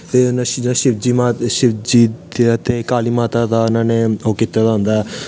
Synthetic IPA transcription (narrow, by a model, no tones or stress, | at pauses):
t̪eːʊnãd͡ʒnãʃɪbd͡ʒiːmaːʃɪbd͡ʒiːeət̪eːkaːliːmaːt̪aːd̪aːʊnãːneːoːkit̪ːaːd̪aɦʊ̃nd̪aːɛ